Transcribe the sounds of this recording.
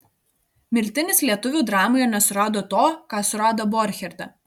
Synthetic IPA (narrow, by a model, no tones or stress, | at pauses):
mʲɪɾʲt̪ʲɪnʲɪslʲiɛt̪ʊʋʲuˑːd̪ɾɑːmoːjɛnʲɛsʊɾɑːd̪oːt̪oːkɑːsʊɾɑːd̪obɔɾʲxʲɛɾʲt̪ɐ